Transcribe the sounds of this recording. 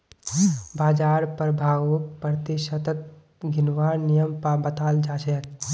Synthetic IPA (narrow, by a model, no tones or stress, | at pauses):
baːd͡ʒaːɾpəɾbʱaːɡuk̚pəɾt̪iʃət̪ət̪̚ | ɡʱɪnʋaːɾnijəmpabət̪aːld͡ʒaːʃek